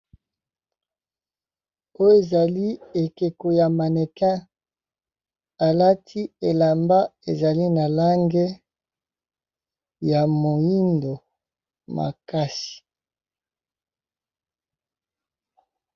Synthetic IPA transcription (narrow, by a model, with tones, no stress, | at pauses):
o˦jo˦e˨za˨li˦e˨ke˨ko˨ja˨ma˨ne˨kɛ̃˦ | a˨la˦tʰi˦e˨la˨mba˦e˨za˨li˦na˨la˦ŋɡe˦ | ja˨mo˨ji˦ndo˨ | ma̰˨ka˦si̥˨